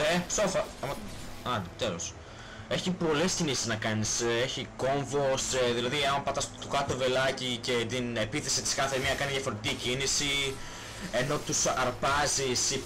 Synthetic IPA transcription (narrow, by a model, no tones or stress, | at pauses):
esofɐɐmɐɐnet̪elos | e̞çipo̞le̞scinisiznɐkɐniseçiko̞ɱvo̞sðilɐðiɐmpɐt̪ɐst̪ukɐt̪ove̞lɐcice̞t̪ine̞piθe̞sit̪i̥skɐθeeɾmiɐkɐniðjɐfoɾot̪t̪icinisi | e̞no̞t̪usɐɾpɐzisi